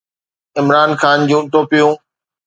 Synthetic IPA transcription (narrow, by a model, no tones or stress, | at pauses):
ɪmɾaːnxaːnd͡ʑũːt̪oːpijũː